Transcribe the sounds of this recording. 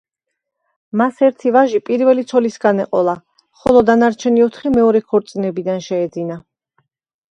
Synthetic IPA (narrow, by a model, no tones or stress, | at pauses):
masɛɾt̪ʰivaʒipʼiɾvɛlit̪sʰɔlisɡanɛqʼɔlˠa | χɔlˠɔd̪anaɾt͡ʃʰɛniɔt̪ʰχimɛɔɾɛkʰɔɾt̪sʼnɛbid̪anʃɛːd̪zina